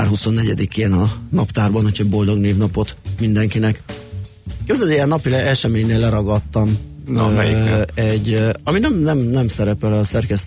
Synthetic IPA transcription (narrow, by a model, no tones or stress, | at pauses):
arɦuso̞nːɛɟɛd̪ikeːnɒnɒpt̪aːrbɒnhocʰɒbo̞ld̪o̞ɡneːvnɒpo̞t̪mind̪ɛŋkinɛk | køzɛliɛnːɒpilɛɛʃɛmeːɲeːlːɛɾɒɡɒt̪ːɒm | ɛɟːɒminɛmnɛmnɛmsɛɾɛpɛlɒsɛrkɛst̪